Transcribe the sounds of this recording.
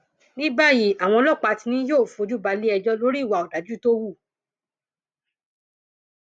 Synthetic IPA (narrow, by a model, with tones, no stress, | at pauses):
nĩ˦ba˦˨ji˦˨a˨w̃ɔ̃˧lɔ˦˨k͡pa˧ti˧nĩ˧˦joː˦˨fo˧˦d͡ʒu˦ba˧li˦ɛ˧d͡ʒɔ˦lo˦ɾi˦i˦˨wa˨ɔ˨da˨˦d͡ʒu˦to˦wu˦˨